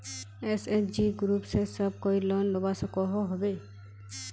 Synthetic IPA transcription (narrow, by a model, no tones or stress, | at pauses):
esed͡ʒiɡɾupsesəb̚kojlɔnlobasɔkɔɦɔɦobe